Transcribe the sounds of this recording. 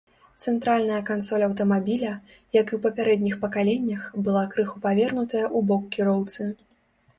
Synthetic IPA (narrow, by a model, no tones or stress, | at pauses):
t̪sɛnt̪ɾalʲnɐjɐkant̪sɔlʲɐwt̪ɐmabʲilʲɐ | jɐkiwpɐpʲaɾɛd̪ʲnʲixpɐkalʲenʲːɐxbɨlˠakɾɨxupavʲɛrnut̪ɐjɐʔubɔkːʲiɾɔwt̪sɨ